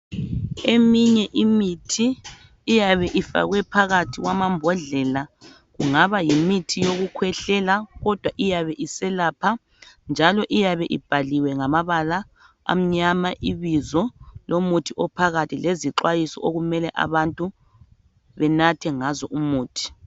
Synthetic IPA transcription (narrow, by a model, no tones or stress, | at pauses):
emiɲɛʔimitʰiː | jaβɛʔifa̰ɣwɛpʰaɣatʰiɣwamambʱɔɮɛla | ɣuŋaβajimitʰijoɣukʰwɛɬɛlaɣɔd̥ʱwaʔijaβɛʔisɛlapʰa | nd͡ʒʱalɔʔijaβɛʔḭb̥ʱaliwɛŋamaβala | a̰m̩ɲamaʔiβizɔlʔomutʰiʔɔpʰaɣatʰileziǁwajisɔ̰oɣumɛlɛʔa̰βantʼu | βɛnatʰɛŋazɔʔumuːtʰi̥